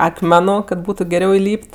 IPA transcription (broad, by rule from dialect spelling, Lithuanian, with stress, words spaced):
ɐkˈmʲæːnʊ kɐ ˈbuːtʊ ɡʲɛˈrʲɛʊ ɪˈlʲiːpʲtʲ